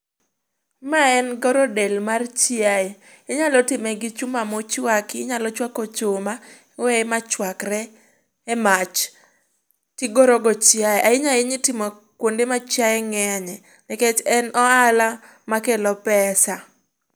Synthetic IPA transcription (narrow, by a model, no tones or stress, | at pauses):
maɛnɡɔɾɔdɛlmart͡ʃɪae | ɪɲalɔtɪmɛɡɪt͡ʃʊmamɔt͡ʃwakɪɪɲalɔt͡ʃwakɔt͡ʃʊma | wɛmat͡ʃwakɾɛː | mat͡ʃ | tɪɡɔɾɔɡɔt͡ʃɪaeʔaɪɲaɪɲitɪmɔ | kwondemat͡ʃjaɛŋɛɲɛ | nɛkɛt͡ʃɛnɔala | makelɔpɛsa